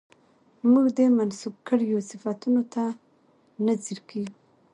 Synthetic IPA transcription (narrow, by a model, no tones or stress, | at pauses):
muɡd̪əmansub̚kəɽjosɪfat̪unot̪a | naziɾkʰeɡu